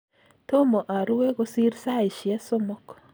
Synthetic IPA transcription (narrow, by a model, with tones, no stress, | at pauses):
to˦mo˨ʔa˨ɾu˦we˦ɣo˦si˦ɾisa˦i˨ʃi˨e˦so˦mɔ˦kɔ̥